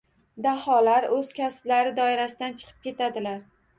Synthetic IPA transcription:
d̪ahɒlaɾɵz̥kʲʰasɪblaɾɪd̪ɒɪɾasɪd̪ant͡ʃʰɨ̥qʰɨ̥p̚kʲe̞t̪ʰad̪ɪlaɾ

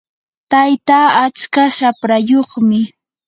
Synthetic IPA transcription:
t̪ajt̪aːat͡ʃkaʃapɾajoχmɪ

